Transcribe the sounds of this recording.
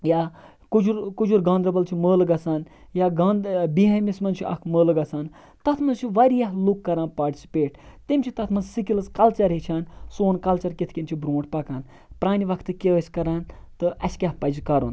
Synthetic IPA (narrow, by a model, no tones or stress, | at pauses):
jaː | kud͡ʒuɾkud͡ʒuɾɡãːnd̪ɾɐbɐlt͡ʃʰiməːlɨɡɐsaːn | jaːɡaːnbiɦamismɐnt͡ʃʰiʔɐ̰kʰməːlɨɡɐsaːn | t̪ɐt̪ʰmɐnzt͡ʃʰiʋaɾijaɦlukːɐɾãːnpaːɾʈʲi̥si̥peːʈ̚t̪imʲt͡ʃʰit̪ɐt̪ʰmɐnzsikilɨskɐlt͡ʃɐɾɦet͡ʃʰaːnsoːnkɐlt͡ʃɐɾkʲit̪ʰkʲint͡ʃʰibɾõːʈ̚pɐkaːn | pɾaːniʋɐkʰt̪ɨkʲeəsʲkɐɾaːnt̪ɨʔɐskʲaɦpɐd͡ʒkɐɾṵn